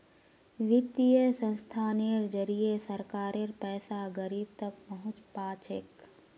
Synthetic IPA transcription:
ʋɪt̪ijesə̃nst̪ʰaːneɾd͡ʒəɾijesəɾkaːɾeɾpɛːsaɡəɾiːb̚t̪ɐk̚pəɦʊt͡ʃpaːt͡ʃḛk

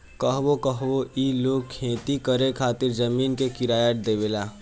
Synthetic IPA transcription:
kəɦwokəɦʋoiːloːɡ̚kʰẽːt̪ikəɾekʰaːt̪ɪɾd͡ʒɐmiːnkekɪɾaːjəʈ̚d̪eːʋeːlaː

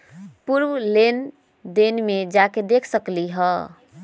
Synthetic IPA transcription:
puɾwlen | d̪enmed͡ʒaked̪ekʰsəkliɦɔ

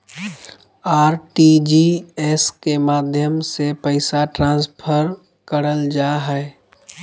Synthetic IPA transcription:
aːɾʈid͡ʒiɛːskemaːd̪ʱjəmsepəɪsaʈɾãːspʰəɾ | kəɾəld͡ʒaːɦɛ

